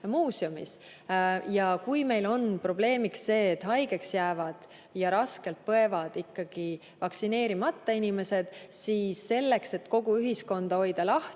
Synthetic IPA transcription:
muːsiomḭs | jɑkujme̞jlo̞npro̞b̥le̞ːmiksːe̞ːt̪ːɦɑjɡ̥e̞ksjæːvɑd̪̥ | jɑɾɑske̞lt̪̚pɤe̞vɑd̪̥ikːɑɡ̥i | vɑksine̞ːɾimɑt̪ːɑinime̞se̞d̪̥siːsːe̞lːe̞kse̞t̪ko̞ɡ̥uyɦisko̞nd̪̥ɑo̞jd̪̥ɑlɑht̪

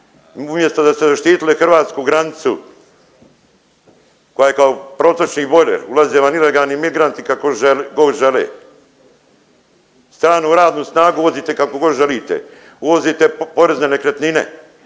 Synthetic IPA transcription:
umje̞st̪od̪ast̪ezaʃt̪iːt̪ilexr̩ʋaːt̪skuɡɾanit̪su | kojajekaopɾo̞ːt̪ot͡ʃniːbo̞lḛɾulazeʋanileɡaːlnimiɡɾant̪ikakoʒeɡoʒelḛː | st̪ɾaːnuɾaːd̪nusnaːɡuuʋo̞ziːt̪ekakoɡoʒeliːt̪ḛ | uʋo̞ziːt̪e̞po̞ɾeznenekɾet̪ninḛ

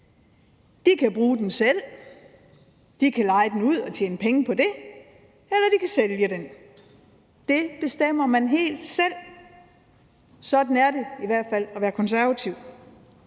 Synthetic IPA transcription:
d̥ikʰæb̥ʁuːd̥ensel̰ | d̥ikʰælɑ̈ɪd̥enuð̞̰ˠɒ̽t͡ɕʰeːnəpʰeŋəpʰɒ̽d̥e̝ | elɐd̥ikʰæseljəd̥en | d̥e̝b̥e̝sd̥em̰ɐmænɦe̝̰ːld̥sel̰ | sɒ̽d̥n̩æɐɾe̝iʋæɐ̰d̥fæl̰ɒʋæːɐkʰɒ̽nsæɐʋæt͡sʰiʊ̰

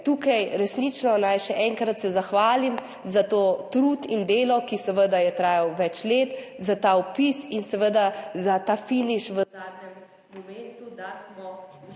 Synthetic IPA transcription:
t̪uːkajɾɛsnit͡ʃnɔnajʃɛʔɛŋkɾat̪sɛzaxʋaːlim | zat̪oːt̪ɾuːt̪ind̪eːlɔkisɛʋəd̪ajɛt̪ɾaːjawʋɛt͡ʃleːt̪zat̪aɔpisinsɛʋəd̪azat̪aːfiniʃʋəzaːd̪nɛmː | ɔmɛnt̪ud̪asmɔ

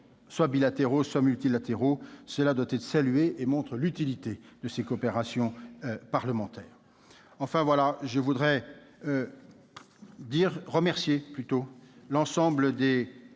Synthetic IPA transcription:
swabilat̪eʁoswamylt̪ilat̪eʁosəlad̪wat̪ɛt̪χə̥salyeʔemɔ̃t̪χəlyt̪ilit̪ed̪əsekoɔpeʁasjɔ̃paʁləmɑ̃t̪ɛːʁ | ɑ̃fɛ̃vwalaʒəvud̪ʁɛ | d̪iʁːəmɛʁsjeplyt̪olɑ̃sɑ̃bləd̪e

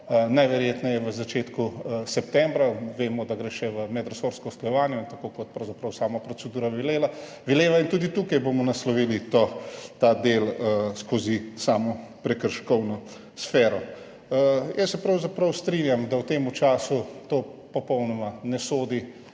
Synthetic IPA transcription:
najʋɛɾjeːt̪nɛjɛʋəzat͡ʃeːt̪kusɛp̚t̪ɛmbɾaʋeːmɔd̪aɡɾeʃɛʋəmɛd̪ɾɔsoɾskɔsklɔjɛʋaːnjɔnt̪akokɔt̪̚pɾɐwzapɾɐwsaːmapɾɔsɛd̪uːɾaʋileːla | ʋileːʋaint̪uːd̪it̪uːkajbomɔnaslɔʋiːlit̪ot̪ad̪elskozisaːmɔpɾɛkəɾʃkɔwnɔ | sfɛːɾɔ | jɛsːɛpɾawzapɾɐwst̪ɾinjamd̪awt̪eːmut͡ʃaːsut̪oːpɔpɔwnɔmanɛsoːd̪i

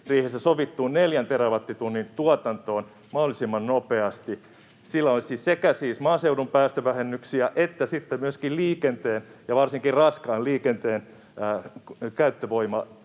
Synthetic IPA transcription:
riːhesːæsoʋit̪ːuːnneljænt̪eɾæʋɑt̪ːit̪unːint̪uɑt̪ɑnt̪oːn | mɑholisimːɑnnopeɑst̪i | silːæolsiːssekæsiːsmɑːseuɾumpæːst̪øʋæhenːyksiæʔet̪ːæsit̪ːemyøskilliːkent̪eːnjɑʋɑrsiŋkirrɑskɑːliːkent̪eːnː | kæyt̪ːøʋoimɑ

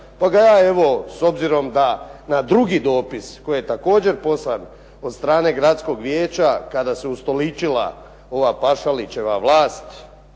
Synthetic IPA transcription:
paɡajaːe̞ʋo̞so̞bziɾo̞md̪anad̪ɾuɡid̪o̞ːpisko̞jijet̪ako̞ːd͡ʑe̞ɾpo̞san | o̞d̪st̪ɾaːne̞ɡɾat̪sko̞ɡʋjeːt͡ʃakad̪aseust̪o̞lit͡ʃila̰ | o̞ʋapaʃalit͡ʃe̞ʋaʋlˠaːst̪

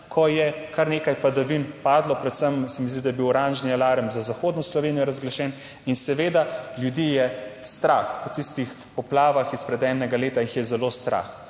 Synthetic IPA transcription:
kʰɔjɛkaɾneːkajpad̪ɐʋinpaːd̪lɔpɾɛt̪səmsɛmizd̪id̪ajɛbiwɾanʒnialaːɾəmzazaxoːd̪nɔslɔʋeːnijɔɾazɡlaʃɛːn | insɛʋeːd̪aljud̪ijɛst̪ɾa̰ːxɔt̪ist̪ix | pɔplaːʋaxispɾɛd̪ɛːnɛɡaleːt̪aixjɛzɛlost̪ɾa̰x

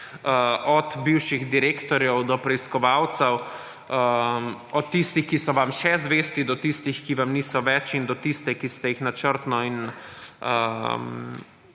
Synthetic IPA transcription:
ɔd̪biwʃiɣd̪iɾeːkt̪ɔɾjɛwd̪ɔpɾɛiskɔʋawt̪sɛw | ɔt̪ːist̪ixkisɔʋamʃɛzʋeːst̪id̪ɔt̪ist̪ixkiʋamniːsɔʋɛt͡ʃind̪ɔt̪ist̪ɛkist̪ɛjixnat͡ʃəɾt̪nɔin | əm

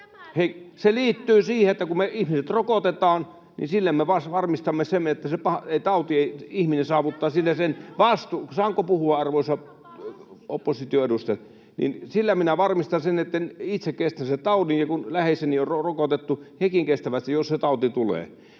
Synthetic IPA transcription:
heseliːt̪ːyːsiːheet̪ːækummeihmiset̪rokot̪et̪ɑːn | nḭnsilːemmeʋɑsʋɑrmist̪ɑmːesemːet̪ːæsepɑheit̪ɑˑut̪ieiihminensɑːʋut̪ːɑːsinːesenʋɑst̪usɑːŋkopuhuɑɑrʋoˑisɑ | opːosit̪ioedust̪et | nḭnsilːæminæʋɑrmist̪ɑnsenet̪ːænit̪sekkest̪ænset̪ɑˑuninjɑkunlæheseniorrorokot̪et̪ːuhekiŋkest̪æʋæst̪ijosset̪ɑˑut̪it̪ulḛː

